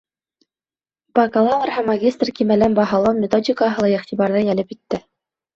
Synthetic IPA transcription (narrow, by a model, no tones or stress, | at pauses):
bɑkɑlˠɑmɤrɦæmːɐɡʲist̪rkimælænbɑɦɑlˠɑwmʲɪt̪odʲɪkəɦɤ̆lˠɑiχt̪ʲiβɑɾðɤjælɘpit̪ːɘ